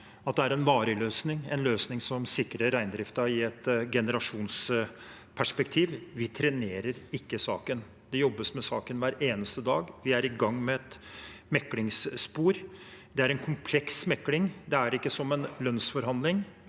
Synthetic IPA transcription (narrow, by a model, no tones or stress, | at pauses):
ɑt̪̚d̪ɛæɾɛnʋɑːɾəløːsnɪŋɛ̰nløːsnɪŋsɔmsɪkːɾəɾːæɪnd̪ɾɪft̪ɑɪɛt̪ɡɛnəɾɑʂuːns | pʰæʂpɛkt̪ʰiːʋʋɪt̪ʰɾɛneːɾəɾɪkːəsɑːkən | d̪̥ɛjɔbːəsmɛsɑːkənʋæːɾeːnəst̪əd̪ɑːɡʋɪæɾɪɡɑŋːmɛɛt̪mɛkːlɪŋsːpuːɾd̪ɛæɾɛnkʰʊmpʰlɛksmɛkːlɪŋd̪ɛæɾɪkːəsɔmːɛnlœnsfɔɾhɑnd̪lɪŋ